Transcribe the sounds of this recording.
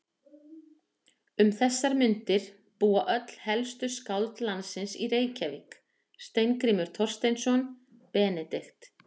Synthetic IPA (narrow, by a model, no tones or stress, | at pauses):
ʏmθɛsːaɾmʏnt̪ɪɾ̥ | puːaʔœt̪l̥hɛlst̪ʏskawlt̪lansɪnsireːjcavɪk | st̪ejnkɾimʏɾ̥t̪ʰɔr̥st̪ejnsɔn | pɛːnɛt̪ext̪